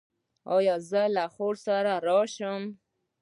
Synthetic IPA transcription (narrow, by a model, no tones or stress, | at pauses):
ɑjɑzəlaχoɾsaɾaɾɑʃʊm